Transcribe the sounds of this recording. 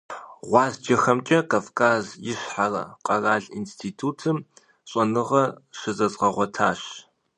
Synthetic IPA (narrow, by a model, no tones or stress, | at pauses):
ʁʷɑːzd͡ʒɐxɐmt͡ʃʼɐkʰaːfkʰaːzjɪɕħarɐ̰qʼɐraːɮinstʰiːtʰuːtʰɨm | ɕʼɔnɨʁɐʂɨzɐsʼqɐʁʷɔtʰa̰ːɕ